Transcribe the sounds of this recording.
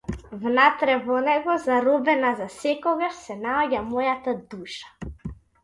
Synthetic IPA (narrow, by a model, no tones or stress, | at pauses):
vnat̪ɾɛvɔnɛɡɔzaɾɔbɛnazasɛkɔɡaʃsɛnaɔɟamɔjat̪ad̪uʃḁ